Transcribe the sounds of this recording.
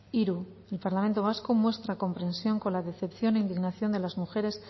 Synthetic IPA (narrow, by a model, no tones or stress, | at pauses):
iɾu | elpaɾlamẽ̞nt̪o̞β̞askomwe̞st̪ɾako̞mpɾe̞nsjo̞ŋko̞nlaðe̞θe̞pθjo̞ne̞ind̪iɣnaθjo̞nd̪e̞lazmuxe̞ɾe̞s